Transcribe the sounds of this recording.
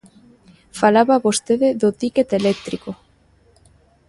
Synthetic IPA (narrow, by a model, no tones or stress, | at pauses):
falaβaβost̪eðeðot̪iket̪elek̚t̪ɾiko